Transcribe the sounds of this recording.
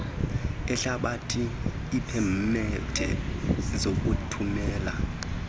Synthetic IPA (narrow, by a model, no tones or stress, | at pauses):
ɛɬaɓatʰiː | pʰɛmmɛd̥ʰʱɛ̰zok̬ʼutʰumɛːla